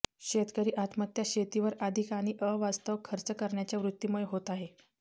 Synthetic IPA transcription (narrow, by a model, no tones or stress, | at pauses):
ɕet̪kəɾiːʔat̪ʰmət̪jaɕet̪iʋəɾəd̪ʱikaɽ̃iʔəʋast̪əʋkʰːəɾt͡səkəɾɳjat͡ɕjaʋɾut̪ːiːmuɭeɦot̪aɦe